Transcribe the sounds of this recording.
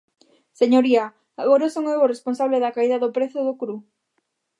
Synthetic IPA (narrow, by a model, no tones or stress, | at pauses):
seɲoɾia | aɣoɾasoŋeworesponsaβleðɐkaiðɐðopɾeθʊðokɾu